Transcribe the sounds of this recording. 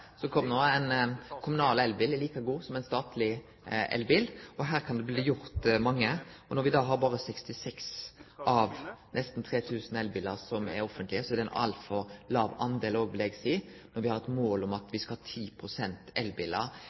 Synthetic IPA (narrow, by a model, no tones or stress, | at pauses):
sɔkʰɔmːnoːɛɪnkʰʊmʉnɑːlɛlbɪːlliːkɑɡuːsɔmɛɪnst̪ɑːt̪ʰlɪ | ʔɛ̰lbɪlɔɦæːʁɾkʰɑnd̪ɛbliːjʊʁt̪mɑŋːəɔnɔɾʋɪd̪ɑːɦɑːɾbɑːʁəsɛkst̪ɪsɛksʔɑʋnɛst̪n̩t̪ʰʁeːt̪ʰʉːsn̩ɛlbɪləʁsɔmɛ̰ɾɔfənt̪lɪəsɔɛɾd̪ɛɪnɑ̰lt̪fɔʁlɑːʋɑnd̪eːloːɡʋɪlɛɡsiːnɔʁʋɪhɑʁɛt̪moːlʊmɑt̪ʰʋɪskɑhɑːt̪ʰiːpʰʁʊsɛnt̪ɛlbɪləʁ